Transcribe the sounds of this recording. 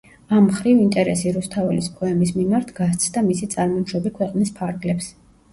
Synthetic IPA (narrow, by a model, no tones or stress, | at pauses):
amχɾivint̪ʼɛɾɛsiɾust̪ʰavɛlispʰʼɔɛmismimaɾt̪ʰɡ̥ast̪sʰd̪amisit̪sʼaɾmɔʃɾɔbikʰwɛqʼnispʰaɾɡlɛps